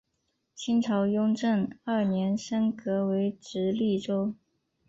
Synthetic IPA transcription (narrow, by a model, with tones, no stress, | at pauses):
t͡ɕʰi˥nʈ͡ʂʰɑ˧˥ʊjʊ˥ŋʈ͡ʂə˥˩ŋə˞˥˩njɛ˧˥nʂə˥nkɤ˧˥we˧˥ɪʈ͡ʂɻ̩˧˥li˥˩ʈ͡ʂo˥ʊ